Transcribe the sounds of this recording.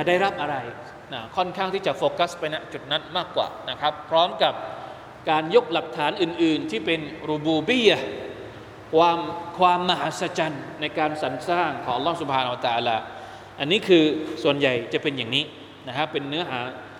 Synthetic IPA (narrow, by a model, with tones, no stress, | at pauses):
t͡ɕa˨˩daː˥˩jɾa˦˥p̚ʔa˧ɾa˧j | na˧˩kʰɔ˥˩nkʰaː˥˩ŋt̪ʰiː˥˩t͡ɕa˨˩foː˧ka˦˥spa˧jna˦˧˥t͡ɕu˨˩t̪̚na˦˥nmaː˥˩kːwa̰ː˨˩na˦˥kʰɾa˦˥pʰːɾɔː˦˥mka˨˩p̚ | kaː˧njo˦˥k̚la˨˩p̚t̪ʰaː˩˦nʔɯː˨˩nʔɯː˨˩nt̪ʰiː˥˩pe˧nɾu˧buː˧bi˥˩a | kʰwaː˧mkʰwaː˧mːa˧ɦaː˨˦˥sa˧t͡ɕa˧nːa˧jkaː˧nsa˩˦nsaː˥˩ŋkʰɔː˨˩˦ŋʔa˧lːɔː˦˥su˨˩p̚ʰaː˧na˧a˧t̪aː˧laː˧ | ʔa˧nːiː˦˥kʰɯː˧su˨˩ənja˨˩jt͡ɕa˨˩pe˧njaː˨˩ŋniː˦˥ | na˦˥kʰa˦˥pːe˧nːɯ˦˥ɐɦaː˩˦